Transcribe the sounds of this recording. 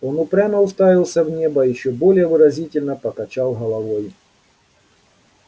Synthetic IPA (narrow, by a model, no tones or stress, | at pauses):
onʊpɾʲamɐʊst̪avʲɪlˠsʲɐvnʲebɐjɪɕːobolʲɪjəvɨɾɐzʲitʲɪlʲnɐpɐkɐt͡ɕalˠɦɐlˠɐvoj